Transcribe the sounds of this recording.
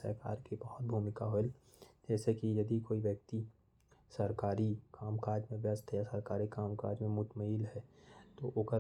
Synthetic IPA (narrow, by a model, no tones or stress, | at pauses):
sə̰ɾka̰ːɾkibɔɦt̪̚bʱuːmɪkaɦoːɪl | d͡ʒɛːsekijəd̪ikoːiʋjək̚t̪i | səɾkaːɾikʰaːmkaːɾd͡ʒmẽʋjəst̪ʰjasəɾkaːɾikaːmkaːɾd͡ʒmẽmʊt̪məɦiːlɦɛt̪oʔoɡəɾ